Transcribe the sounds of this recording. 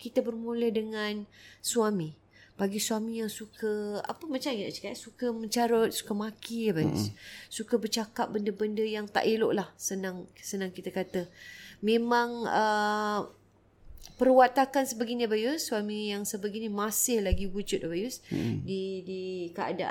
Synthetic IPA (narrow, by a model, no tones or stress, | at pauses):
kit̪əbərmulədəŋansuami | b̥aɡisuamijaŋsukʰəa̰pəmat͡ʃamkit̪at͡ʃə̥katsukəmə̃ɲt͡ʃaɾot̪̚su̥kəmakibajṵsːukəbərt͡ʃakap̚bəndəbəndəjaŋt̪a̰ʔiloʔlahsənaŋsənãŋkit̪akat̪əmẽmãŋə | pərwat̪akansəbəɡiɲabajusːuamijaŋsəbəɡinimasɪhlaɡiwud͡ʒʊt̪̚bajusdidikəa̰daʔ